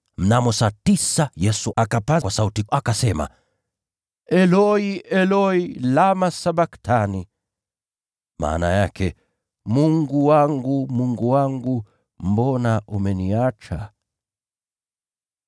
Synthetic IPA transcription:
m̩namɔsatisajɛsuakapakwasautiakasɛma̰ | ɛlɔiɛlɔilamasabaktʰani | mʔa̰ːna̰jakɛ | muŋɡuwaŋɡumuŋɡuwaŋɡu | m̩bɔnaʔumɛniat͡ʃa

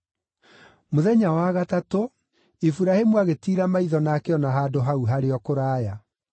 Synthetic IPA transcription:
moðɛɲawaɣatato | ifuɾahemuaɣetiːɾamaiðɔnakɛɔnaɦaːdoɦauɦaɾeɔkoɾaːja

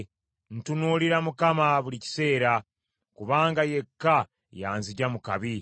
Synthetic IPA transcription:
n̩tunuːliɾamukamaβulici̥se̞ːɾa | kuβaːŋɡaje̞kːa | jaːnziɟamukaβi

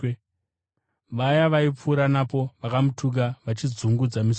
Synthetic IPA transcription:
ʋajaʋaip͡fuːɾanapo̞ʋakamutʰuk̬aʋat͡ʃid͡zuŋɡud͡zamis

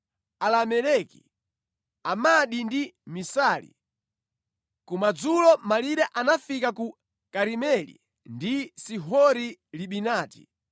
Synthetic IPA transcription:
alamɛlɛkḭ | amaɗindimisalḭ | kumad͡zulɔmaliɗɛʔanafikaku | kaɾimɛlḭ | ndisiɦɔɾiliɓinaːti̥̰

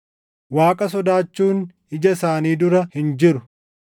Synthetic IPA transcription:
waːkʼɐsɔd̪aːt͡ʃːuːn | ɪd͡ʒɐsaːniːd̪ʊɾɐhɪnd͡ʒɪɾʊ

